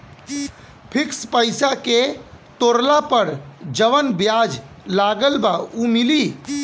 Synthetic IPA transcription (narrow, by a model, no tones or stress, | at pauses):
pʰikspəjsaket̪oɾlapəɾd͡ʒəʋənbjad͡ʒ | laɡəlbaumili